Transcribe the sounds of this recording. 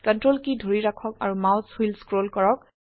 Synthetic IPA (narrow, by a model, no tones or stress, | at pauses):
kɔntɹolkidʱoɹiɹakʰɔka̰ɹumawswilskɹolkɔɹɔk̚